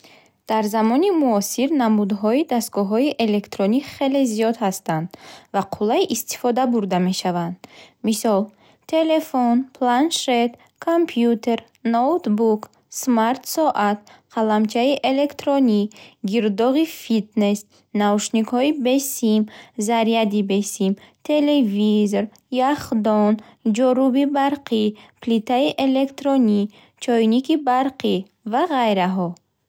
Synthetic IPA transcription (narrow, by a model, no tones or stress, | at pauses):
d̪̥aɾzamɔnimuɔsiɾnamud̪ɦɔid̪ast̪̚ɡɔɦɔiʔe̞le̞kt̪ɾɔniχe̞le̞zijɔd̪hast̪and̪vaqʰulːaiʔist̪i̥fɔd̪abuɾd̪ame̞ʃavand̪misɔl | t̪ʰe̞le̞fonpʰlanʃet̪ | kʰompʰjut̪ʰe̞ɾ | not̪buk | smaɾt̪sɔʔat̪̚qʰalamt͡ʃʰaiʔe̞le̞kt̪ɾɔniɡiɾd̪ɔʁifit̪nes | navuʃnikhɔibesimzaɾijad̪ibesimt̪ʰelevizoɾ | jaχd̪ɔnd͡ʒɔɾubibaɾqʰiplit̪ʰaiʔe̞le̞kt̪ɾɔni | t͡ʃʰɔjnikibaɾqi | vaʁajɾaɦɔ